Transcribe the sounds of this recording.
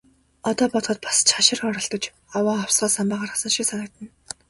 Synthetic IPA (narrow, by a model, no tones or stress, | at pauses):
ɔt̪ɔːpɔt̪χɞ̆t̪̚pḁst͡ɕχaʃɪ̆rxɔɾɞ̆ɬt̪ɞ̆t͡ɕ | awaːawsɢaːsampaːʁaːrasə̆nʃiksanə̆k̚t̪ə̆n